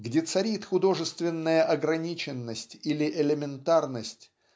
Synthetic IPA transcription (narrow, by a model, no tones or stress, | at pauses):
ɡdʲet̪sɐɾʲit̪xʊd̪o̞ʐɨst̪vʲɪnːəjəʔɐɡɾɐnʲit͡ɕɪnːəsʲtʲilʲɪʔɪlʲɪmʲɪnt̪arnəsʲtʲ